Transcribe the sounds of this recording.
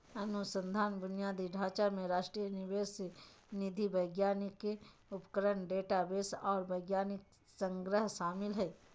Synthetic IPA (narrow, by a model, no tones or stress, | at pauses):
ɐnʊsə̃nd̪ʱaːnbʊnɪjaːd̪iɖʱaːt͡ʃamẽɾaːʃʈɾijənɪʋeːsenɪd̪ʱiʋəɪɡjaːnɪkːeʊpkəɾəɳɖeːʈabeːsɔːɾʋəɪɡjaːnɪk̚ | sə̃ŋɡɾəɦʃaːmɪlɦɛː